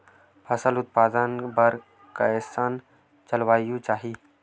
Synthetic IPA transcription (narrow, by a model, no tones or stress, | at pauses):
pʰɐsəlʊt̪̚paːd̪ənbɐɾ | kaɛsaːn | t͡ʃəlʋaːjũt͡ʃaːɦiː